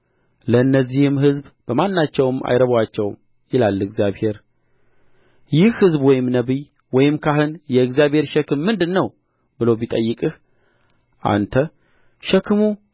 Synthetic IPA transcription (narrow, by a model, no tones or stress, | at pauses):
ləɨnːəzːihɨmhɨzbb̥əmanːat͡ʃːɛwɨma̰jɾəβwat͡ʃːɛwm | jɪlalːɨɡzjaβhe̞ɾ | jɪhhɨzbwɔjɪmnəβi | wɔjɪmkʰaɦɨnjɛɨɡzijaβhe̞ɾʃɛkɨmːɨnd̪ɨnːəw | bɨlobit̪ʼəjːɨkʼɨh | ʔa̰nt̪ʰə | ʃɛkʰɨmu